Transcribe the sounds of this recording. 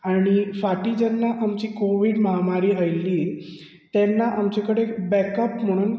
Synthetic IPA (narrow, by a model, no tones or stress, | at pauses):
aɽ̃ifaʈiːd͡ʑɛnːaʔamt͡ɕiːkoʋiɽməɦamaɾiːajlːiː | t̪ɛnːaʔamt͡ɕekəɽebɛkəpm̤əɽ̃uːn